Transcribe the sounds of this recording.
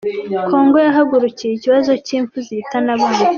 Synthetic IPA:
kʰo̞ːŋɡo̞jaɦaɡuɾucijiciβazo̞ciːɱfuzitanaβuɲu

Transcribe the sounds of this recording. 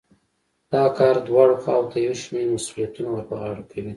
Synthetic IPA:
d̪̥ɑkɑɾd̪wɑɽoxɑwt̪ajawʃmeɾmasulijat̪unawaɾpəɣɑɽakʰawi

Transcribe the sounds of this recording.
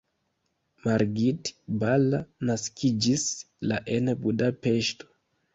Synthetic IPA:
maɾɡiti̥balanaskʰid͡ʒis | laʔɛnebuɗapɛʃto̥

